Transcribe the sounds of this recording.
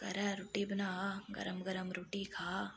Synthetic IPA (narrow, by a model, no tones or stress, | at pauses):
ɡ̥ɐɾɐɾoːʈibɐnaːɡɐ̰ɾəmɡɐɾəmɾoːʈikʰaː